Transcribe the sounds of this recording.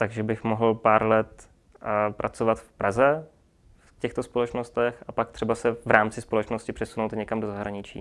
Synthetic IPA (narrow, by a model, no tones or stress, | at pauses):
t̪aɡʒɛbɪxmoɦl̩paːɾlɛt̪ | pɾʔat͡sovat̪fpɾazɛ | fcɛxt̪ospolɛt͡ʃnost̪ɛxapak̚t̪r̝̥ɛbasɛvɾʔaːmt͡sɪspolɛt͡ʃnoscɪpr̝̥ɛsunowt̪ɲɛkamdo̞zaɦɾaɲɪt͡ʃḭː